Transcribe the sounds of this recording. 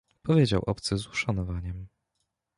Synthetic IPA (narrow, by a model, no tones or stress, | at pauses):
pɔvʲjed͡ʑawʔɔpt̪sɛzuʂanɔvaɲɛm